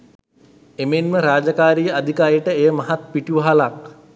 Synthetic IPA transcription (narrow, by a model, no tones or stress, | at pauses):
emenməɾaːd͡ʒakaːɾijəad̪ʱikaːijəʈəejəmaɦat̪piʈuʋaɦalak̚